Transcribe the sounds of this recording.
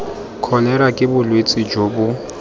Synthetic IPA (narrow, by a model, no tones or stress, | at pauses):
kʰɔlɛɾakʼɪbʊlwet͡sʼid͡ʒoːbʊ